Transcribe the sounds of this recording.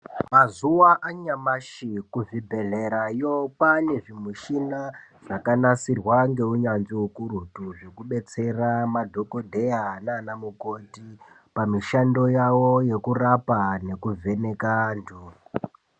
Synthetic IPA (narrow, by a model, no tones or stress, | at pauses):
mazuwaʔaɲamaʃikuvibʱe̞ɮe̞ɾajopane̞ʐimuʃina | ʐ̥akanasirwaŋɡe̞uɲanziokuɾutuʐe̞kuɓe̞t͡se̞ramadʱo̞ko̞dʱe̞anaːnamuko̞ti | pamiʃando̞jawo̞je̞kurapane̞kuvʱe̞ne̞kandʱu